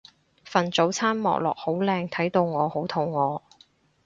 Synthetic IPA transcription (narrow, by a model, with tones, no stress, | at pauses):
fɐ˨˩nt͡so˨˥wt͡sʰaː˥nmɔ̰ː˨k̚lɔ̰ː˨k̚ho˨˥wlɛː˧ŋt̪ʰɐ˨˥jt̪o˧wŋɔː˨˧ho˨˥wt̪ʰʊ˨˩ŋːɔː˨˧